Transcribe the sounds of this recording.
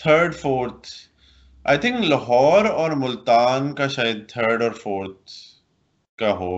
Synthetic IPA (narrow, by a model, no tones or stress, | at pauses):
t̪ʰəːɾɖfoːɾt̪ʰ | a̰ːɪt̪ʰɪ̃ŋkləɦɔːɾɔːɾmʊlt̪aːnkaʃaːjəd̪̚t̪ʰəːɾɖɔːɾfoːɾt̪̚ | kaɦoː